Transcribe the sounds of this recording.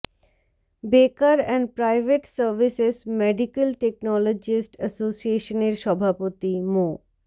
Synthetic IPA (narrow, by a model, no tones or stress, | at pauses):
bekaɾɛ̃ɳɖpɾajʋʱeʈsəɾʋisesmeɖikəlʈeknɔlod͡ʒisʈəsosieʃəneɾʃɔbʱapot̪imo